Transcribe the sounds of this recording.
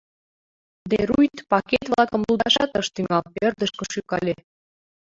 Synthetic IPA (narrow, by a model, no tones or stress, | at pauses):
d̪eɾujt̪pɑket̪βlɑkəmluld̪ɑʃɑt̪əʃt̪yŋɑlpørd̪əʃkoʃykɑlʲe